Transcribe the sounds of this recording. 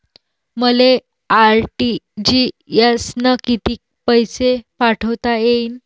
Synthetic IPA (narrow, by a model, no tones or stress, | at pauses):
məle | aɾʈid͡ʑi | jasnəkit̪iːk̚ | pəjsepaʈʰəʋt̪ajein